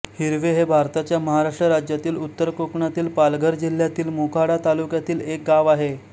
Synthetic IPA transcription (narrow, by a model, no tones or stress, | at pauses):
hiɾʋeɦebʱaɾt̪at͡ɕjaməɦaɾaʂʈɾəɾad͡ʑjat̪iːlut̪ːəɾkokɳat̪iːlpalɡʱəɾd͡ʑil̤jat̪iːlmukʰaɽat̪alukjat̪iːlek̚ɡaʋaɦe